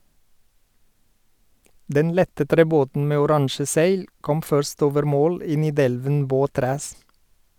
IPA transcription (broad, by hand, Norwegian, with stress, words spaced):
ˈdɛn ˈlɛtə tɾɛˈboːtn̩ ˈmeː ʊˈɾɑŋʃə ˈsæɪl ˈkɔm ˈfœɾst ˈoːʋəɾ ˈmoːl ˈiː nɪˈdɛlʋən ˈboːˌtɾæːs